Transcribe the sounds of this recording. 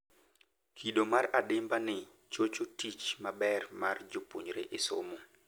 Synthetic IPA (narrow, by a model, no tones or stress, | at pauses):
kʰiɗomaɾadɪmbanɪ | t͡ʃot͡ʃotit͡ʃmabɛrmard͡ʒopuɲɾḛʔɪso̰mo